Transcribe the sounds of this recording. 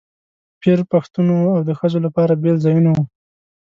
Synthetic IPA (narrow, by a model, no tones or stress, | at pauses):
pʰeɾpaxt̪unoawd̪əxəzolapɑɾabelzɑjunawu